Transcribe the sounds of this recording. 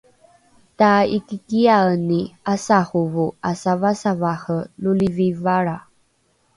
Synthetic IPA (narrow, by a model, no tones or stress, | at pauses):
taikikiaəniasahuvuasavasavaħəlulivivaɾa